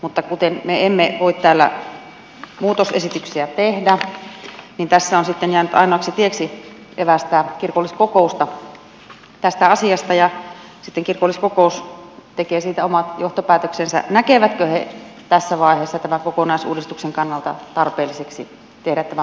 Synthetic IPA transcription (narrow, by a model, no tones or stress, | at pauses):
mut̪ːɑkut̪enmeemːeʋoit̪t̪æːlːæ̰ | muːt̪osesit̪yksiæt̪ehdæ | nint̪æsːæonsit̪ːenjæːnyt̪ʔɑ̰ˑinoɑksit̪ieksi | keʋæst̪æːkirkolːiskokoˑust̪ɑ | t̪æst̪æɑsiɑst̪ɑjɑ | sit̪ːeŋkirkolːiskokoˑust̪ekeːsiːt̪æomɑt̪joht̪opæːt̪øksensæ̰nækeʋæt̪køhḛt̪æsːæʋɑˑiheːsːɑt̪æmæŋkokonɑˑisṵːdist̪ukseŋkɑnːɑlt̪ɑ̰t̪ɑrpeːlːˑiseksḭ | t̪ehɾæt̪t̪æmæ